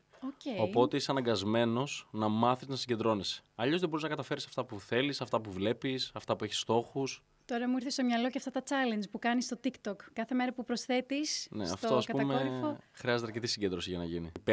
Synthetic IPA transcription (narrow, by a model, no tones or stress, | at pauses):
oceo̞po̞t̪eiseɐnɐŋɡɐzme̞no̞znɐmɐθiznɐsiɲɟed̪ɾo̞nisɐʎo̞zðebo̞ɾiznɐkɐt̪ɐfe̞ɾisɐft̪ɐpuθe̞lisɐft̪ɐpuvle̞pisɐft̪ɐpueçi̥st̪o̞xus | t̪o̞ɾɐmuiɾθest̪omɲɐlo̞ceɐft̪ɐt̪ɐt͡sɐlend͡ʒpukɐnist̪ot̪ikt̪okːɐθe̞me̞ɾɐpupɾosθe̞t̪isnḛɐftt̪oɐspɐuɐmeoxɾiɐzet̪ɐɾce̞t̪isiɲɟe̞nd̪ɾo̞siʝɐnɐ̰ʝini